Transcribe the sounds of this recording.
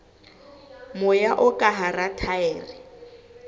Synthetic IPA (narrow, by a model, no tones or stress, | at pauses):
mʊjaʔʊkʼaɦaratʰaɛːrɪ